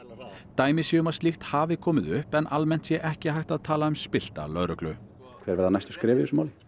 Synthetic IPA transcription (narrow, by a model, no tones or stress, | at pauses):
t̪aːjmɪsiʏmaðst̪ixt̪haːvɪkʰɔːmɪðʏhpɛnʔalmɛn̥t̪sjɛʔɛhcɪhajht̪aðt̪ʰaːlaʏmspɪl̥t̪a̰lœðɾʏklʏ | kʰvɛːɾvɛɾðanajst̪skɾɪːvɪɪsʏmawlɪ